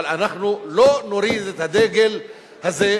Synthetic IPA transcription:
lanaχnulonoɾiːd̪et̪had̪eːɡel | haze

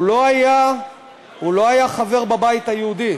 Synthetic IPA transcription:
ulo̞aja | ulo̞ajaχave̞ʁbabait̪hajeud̪i

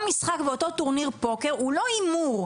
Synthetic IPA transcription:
misχakveot̪o̞t̪uʁniʁpo̞ke̞ʁulo̞imuʁ

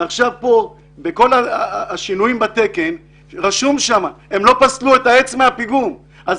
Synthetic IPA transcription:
aχʃavpo̞ | beko̞laːʃinuimbat̪e̞ke̞n | ʁaʃumʃamae̞mlo̞pasluetae̞t͡smeapiɡum | ʔaz

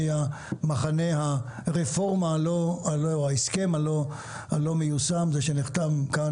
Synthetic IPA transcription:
ja | maχane̞haʁefo̞ʁmaloaloaeskemalo | alo̞mejusamzeʃeniχt̪avka

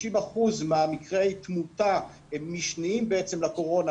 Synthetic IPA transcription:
imaχuzmeamikʁejt̪muta | emːiʃniimbeet͡semlako̞ʁo̞na

